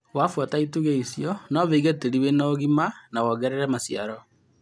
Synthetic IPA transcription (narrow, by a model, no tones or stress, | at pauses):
wafwataituɣeisjɔnɔβeiɣeteɾiwenaɣimanawɔɣɛɾɛɾɛmasjaɾɔ